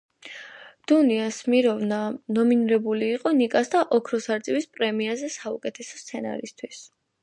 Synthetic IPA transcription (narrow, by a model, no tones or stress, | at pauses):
d̪̥uniasmiɾɔvnanɔminiɾɛbuliːqʼɔnikʼasd̪aʔɔkʰɾɔsaɾt̪sʼiwispʼɾɛmiazɛsaukʼɛt̪ʰɛsɔ̥st̪sʰɛna̰ɾḭst̪ʰwis